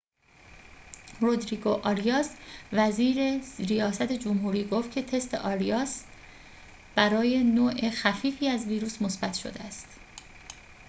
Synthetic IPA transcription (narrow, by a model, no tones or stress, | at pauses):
rod̪ɾiːɡoʔɒɾijɒːsvæziːɾeɾijɒːsæt̪ʰe̞d͡ʒomhuːɾiːɡoft̪̚cʰe̞t̪ʰe̞st̪ʰe̞̰ʔɒːɾijɒːs | b̥æɾɒːje̞noːʔexæfiːfiːæzviːɾuːsmo̞sbæt̪ʰʃo̞̰d̪eæst̪